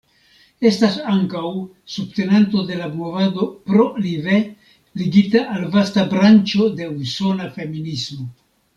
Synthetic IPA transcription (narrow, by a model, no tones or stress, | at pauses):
e̞stasaŋkaw | subte̞nentod̪e̞labmovado̞pɾo̞live | liɡitaʔalvastabɾant͡ʃo̞de̞uso̞nafe̞minismo̞